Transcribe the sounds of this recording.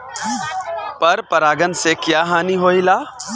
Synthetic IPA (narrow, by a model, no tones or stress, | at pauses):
pɐɾpɐɾaːɡənsekjaːɦaːniɦoːilaː